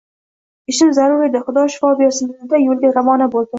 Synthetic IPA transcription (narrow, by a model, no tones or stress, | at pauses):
ɪʃɪmzaɾʊɾɪd̪aχʊd̪ɒʃɪ̥fɒbijasɪnd̪ajolˠd̪ɪʁamɒnabolˠd̪ɪ